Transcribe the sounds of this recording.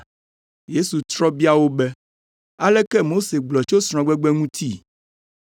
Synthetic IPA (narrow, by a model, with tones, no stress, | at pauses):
je˦su˨t̪ɾɔ˦bi˦a˨wo˦bɛ˦ | a˦lɛ˦kɛ˦mo˦se˨ɡ͡blɔ˨t͡ʃo˦sɾ̃ɔ̃˨ɡ͡bɛ˦ɡ͡bɛ˦ŋũ˦t̪ʰi˦